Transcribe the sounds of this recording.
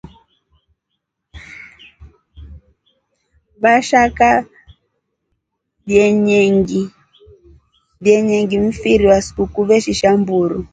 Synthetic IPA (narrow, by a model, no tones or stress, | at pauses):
βaʃaka | βjɛɲɛŋɡi | βjɛɲɛŋɡim̩fiɾiwaskukuβɛʃiʃambuɾu